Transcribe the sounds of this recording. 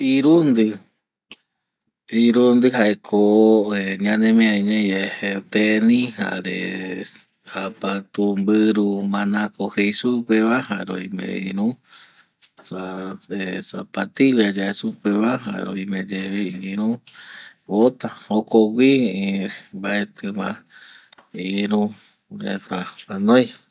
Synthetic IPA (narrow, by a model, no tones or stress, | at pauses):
iɾund̪ɨ | iɾund̪ɨɦaekʰoeɲãnẽmĩaiɲẽehet̪enĩha̰ɾḛ | apat̪umbɨɾumãnãkohejsupeβahaɾo̰imḛ̃iɾũ | saesapat̪iljad͡ʒaesupeβaɦa̰ɾoimẽd͡ʒeβiiɾũ | βot̪ahokoɡʷi | mbaet̪ɨmã | iiɾũ | ɾet̪aanõj